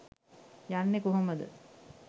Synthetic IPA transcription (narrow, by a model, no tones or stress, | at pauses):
janːekoɦoməd̪ə̰